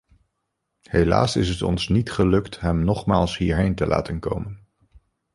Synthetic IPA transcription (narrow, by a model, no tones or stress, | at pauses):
hela̰ːsɪ̰sɦətɔ̰nsnitχəlɵktɦɛmnɔχmaːlˠsɦiːɹɦejntəlʔa̰ːtənko̰wmən